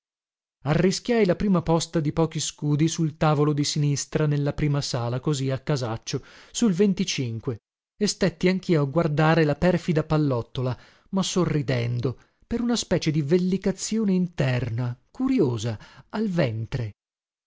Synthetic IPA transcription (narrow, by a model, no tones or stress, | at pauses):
arːisk̟jajlapɾiːmapɔst̪ad̪ipɔːkiskuːd̪isult̪aːvolod̪isinist̪ɾanelːapɾiːmasaːlakoziakːazat͡ʃːosulvent̪it͡ʃiŋkwe | est̪et̪ːiaŋk̟iːoaɡward̪aːɾelapɛrfid̪apalːɔt̪ːola | masorːid̪ɛnd̪o | peɾunaspɛːt͡ʃed̪ivelːikat̪sːjoːneint̪ɛrnakuɾjoːzaalvɛnt̪ɾe